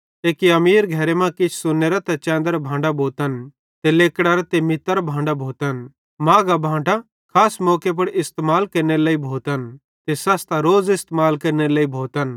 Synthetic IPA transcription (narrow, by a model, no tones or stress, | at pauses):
eːkiɐmiːɾɡʱɛɾemãkɪt͡ʃʰsʊnːeːɾat̪ɛt͡ʃɛ̃ːnd̪əɾabʱãːɳɖabʱoːt̪ən | t̪eleːkɽ̃aɾat̪emɪt̪ːəɾabʱãːɳɖabʱoːt̪ən | mãːɡabʱãːɳʈa | kʰaːsmɔːkep̬ɐɽɪst̪maːlkɐɾneleːibʱoːt̪ən | t̪esɐst̪aɾoːzɪst̪maːlkɐɾneleːibʱoːt̪ən